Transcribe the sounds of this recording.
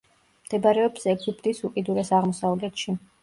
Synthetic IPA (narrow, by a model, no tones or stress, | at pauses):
md̪̥ɛbaɾɛɔbsɛɡip̚ʰʼt̪ʼisukʼid̪uɾɛsaʁmɔsalˠɡɛt̪ʃi